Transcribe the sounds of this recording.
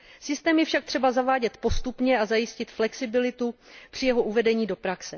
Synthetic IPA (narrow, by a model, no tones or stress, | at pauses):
sɪst̪ɛːmjɛfʃak̚t̪r̥ɛbazavaːɟɛt̪po̞st̪upɲɛazajɪscɪt̪flɛksɪbɪlɪt̪upr̥ɪjɛɦo̞ʔuvɛdɛɲiːdo̞pɾaksɛ